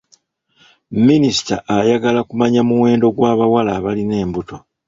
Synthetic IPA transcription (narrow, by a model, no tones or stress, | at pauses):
minisi̥ta̰ʔajaɡalakumaɲamuwe̞ːndo̞ɡwaːβawalaːβaline̞ːmbuto̞